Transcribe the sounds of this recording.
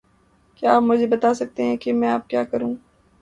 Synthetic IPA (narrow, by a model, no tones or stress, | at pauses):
kjaaːpmʊd͡ʒʱebɐt̪aːsɐk̚t̪eɦɛ̃kemɛ̃aːp̚kjaːkɐɾũː